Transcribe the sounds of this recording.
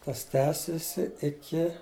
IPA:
ˈtɐs ˈtʲæːsʲɪsʲɪ ɪˈkʲɪ

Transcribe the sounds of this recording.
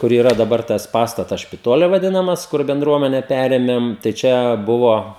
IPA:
kʊr iːˈrɐ dɐˈbɐr tɐs ˈpɑːstɐtɐs ʃʲpʲɪˈtoːlʲɪ ʋɐˈdʲɪnɐmɐs ˈkʊr bʲɛnˈdruɔmʲɛnʲɛ ˈpʲæːrʲeːmʲɛm tɐɪ ˈt͡ʃʲɛ ˈbʊʋoː

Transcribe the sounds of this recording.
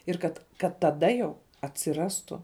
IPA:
ɪr ˈkɐt kɐt tɐˈdɐ jɛʊ ɐtʲsʲɪˈrɑːstʊ

